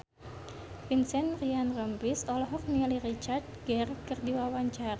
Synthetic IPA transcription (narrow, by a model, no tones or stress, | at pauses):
finsɛnrianrəmbisɔlɔɦɔk̚nilirit͡ʃart̪̚ɡɛrkɨrdiwawaɲt͡ʃara